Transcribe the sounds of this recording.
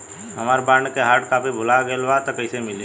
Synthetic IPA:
ɦɐmaːɾbãːɳɖkeɦaːɾʈkaːpʰibʱʊlaɡelʋat̪ɐkəɪsemɪle

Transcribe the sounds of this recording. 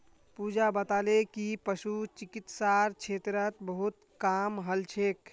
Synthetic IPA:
pud͡ʒabət̪alekipəsut͡ʃikit̪saɾt͡ʃʰeːt̪ɾət̪bəɦut̪ | kamɦəlt͡ʃʰek

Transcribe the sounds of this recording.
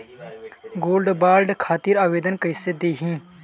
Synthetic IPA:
ɡoːlɖbaːlɖkʰaːt̪iːɾaːʋeːd̪ənkəɪsed̪eːɦĩː

